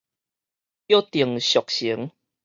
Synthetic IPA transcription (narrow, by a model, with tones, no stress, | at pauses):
jo˦t̪i˨˩əŋɕjɔ˨k̚ɕi˨˦ŋ